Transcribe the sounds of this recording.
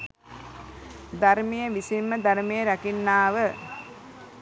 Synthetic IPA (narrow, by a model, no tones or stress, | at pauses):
d̪aɾmijəʋisimːəd̪aɾmejəɾækinːaːʋə